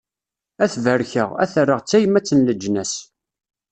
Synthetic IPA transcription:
æθvəɾçəʁæ̰θrːəʁt͡sːæjəmæt͡sːənləd͡ʒnæs

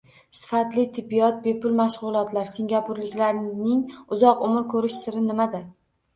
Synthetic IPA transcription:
sɪ̥fat̪lɪt̪ʰɪbːijɒt̪̚bepʰʊlˠmaʃʁʊlˠɒt̪ʰlaɾsɪŋɡʲapʰʊɾlɪkʲlaɾnɪŋʊzɒqʊmɪɾkʰɵɾɪʃsɪɾɪnɪmad̪a

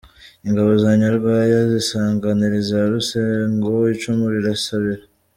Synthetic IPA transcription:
iŋɡaβo̞zaːɲaɾɡwajazisaːŋɡaniɾizaɾuseŋɡoit͡ʃumuɾiɾasaβiɾa

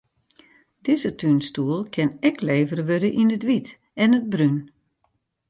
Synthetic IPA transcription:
d̥ɪzətʰynstuəlˠkʰɪnɛkʰleːvərʋødəʔinətʋit | ɛnəd̚bryn

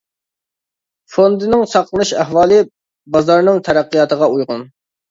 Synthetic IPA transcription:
fond̪ɨnɪŋsɑqʰlˠɨnɨʃæɦwɑːlˠɨ | bɑzɑɾnɨŋt̪ʰɛɾæqːijɑt̪ʰəʁɑujʁʊn

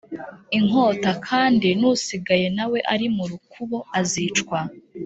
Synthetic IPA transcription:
iŋ̥o̞ːtakʰaːndinusiɡaje̞nawe̞ʔaɾimuɾukuβo̞azit͡ʃkwa

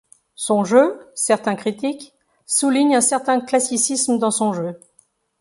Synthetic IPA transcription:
sɔ̃ʒøsɛʁt̪ɛ̃kχit̪ik | suliɲɛ̃sɛʁt̪ɛ̃klasisisməd̪ɑ̃sɔ̃ʒø

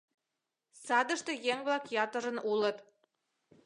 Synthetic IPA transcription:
sɑd̪ɤ̆ʃt̪ɤ̆jeŋblˠɑkjɑt̪ɤ̆ɾə̆nulˠɤ̆t̪

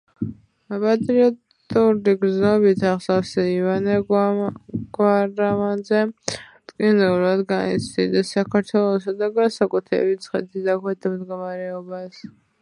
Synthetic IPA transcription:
apʼat̪ʼɾiɔt̪ʼuɾiɡɾznɔbit̪ʰaχsafsɛivanɛ | ɡ̥waɾamanzɛt̪ʼkʼinɛulad̪ɡanḭt̪sʰd̪id̪ɛsːakʰaɾt̪ʰwɛlˠɔsad̪aɡansakʼut̪ʰɾɛ̰bit̪sʰχɛ̰t̪ʰid̪akʰwɛt̪ʰmd̪ɡɔmaɾɛɔbas

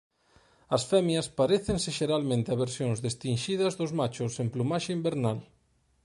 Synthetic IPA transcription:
ɐsfɛmjɐspaɾeθensɪʃeɾalmẽnt̪ɪɐβ̞eɾsjoŋzðest̪inʃiðɐzðʊzmat͡ʃʊsemplumaʃeimbeɾnal

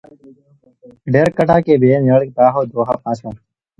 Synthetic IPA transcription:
ɖeɾkəʈʰaːkeːbeːnəɭk̚t̪aːɦoːd̪oːɦa̰ːpãːsãː

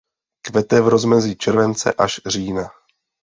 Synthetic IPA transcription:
kvɛt̪ɛvɾo̞zmɛziːt͡ʃɛɾvɛnt͡sɛ̰ʔaʃr̝iːna

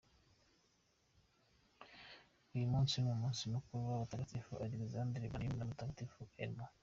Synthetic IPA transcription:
ujumuːnsimumuːnsimukuɾuwaβat̪akat̪ifuʔalekzand̪ɾibanimnamut̪akat̪ifuʔeno

